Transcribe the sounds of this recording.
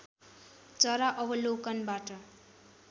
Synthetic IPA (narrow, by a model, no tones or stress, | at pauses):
t͡sʌɾaʔʌbʌlokʌnbaʈʌ